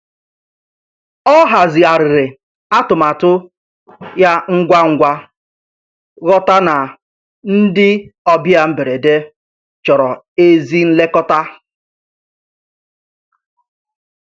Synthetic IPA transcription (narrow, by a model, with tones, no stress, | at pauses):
ɔ˦ɦa˨zɪ˨a˨ɾɪ˨ɾɪ˨ | a˦tʊ˨ma˨tʊ˦ | ja˦ŋ̩˦ɡʷa˦ŋ̩˦ɡʷa˦ | ɣɔ˦ta˦na˨ | n̩˦dɪ˦ɔ˦bja˦m̩˦be˨ɾe˨de˦ | t͡ʃɔ˨ɾɔ˨ | e˦zi˦n̩˦le˦kɔ˦ta˦